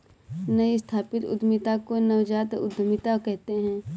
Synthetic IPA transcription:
nɐist̪ʰaːpɪt̪ʊ̰d̪mɪt̪akonɐʋd͡ʒaːt̪ʊ̰d̪ʱːəmɪt̪akɛɦt̪eɦɛ̃ː

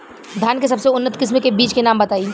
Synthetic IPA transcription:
d̪ʱjaːnkes̬ɐbseʊnːət̪kɪs̬mẽkebiːt͡ʃkenaːmbɐt̪aːi

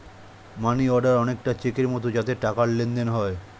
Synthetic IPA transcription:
maniɔɖaɾɔnekʈat͡ɕekeɾmɔt̪od͡ʑat̪eʈakaɽlend̪enɦɔe

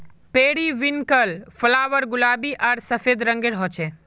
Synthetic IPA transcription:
peːɽiʋɪnkəlfəlaːʋəɾɡʊlaːbiʔɐɾsɐfeːd̪ɾɐ̃ŋɡeɾɦɔt͡ʃʰeː

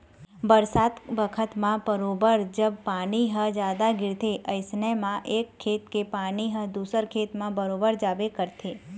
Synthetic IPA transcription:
bəɾsad̪bəkʰət̪mãbəɾobəɾd͡ʒəbpaniɦəd͡ʒad̪aɡɪɾt̪ʰeʔəjsnəjmãʔekʰːet̪kepaniɦəd̪usəɾkʰet̪mãbəɾobəɾd͡ʒabekəɾt̪ʰe

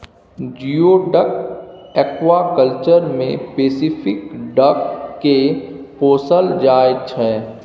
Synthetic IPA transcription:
d͡ʒiːoːɖəkɛːkʋakəlt͡ʃəɾmẽpeːsifɪkɖɐkːepoːsəld͡ʒaːɪdt͡ʃʰɛː

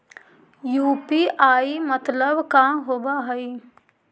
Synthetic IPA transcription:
juːpiʔaːimət̪ləbkaɦoːbaɦɐi

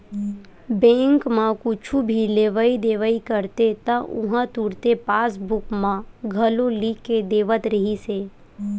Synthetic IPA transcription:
bɛ̃ːŋkmãkʊt͡ʃʰubʱileːʋəid̪eːʋəikəɾt̪et̪əʔʊ̰ɦãt̪uːɽt̪epaːsbʊkmãɡʱɐloliːkːed̪eːʋət̪ɾəɦiseː

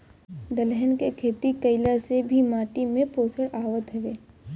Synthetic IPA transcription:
d̪əlɦənkekʰeːt̪ikəɪlasebʱimaːʈimẽpoːsəɽaːʋət̪ɦɐʋeː

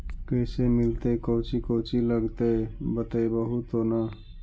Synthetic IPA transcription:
kəjsemilt̪əjkəwt͡ʃikəʊt͡ʃiləɡt̪əbət̪əjbəɦut̪ɦona

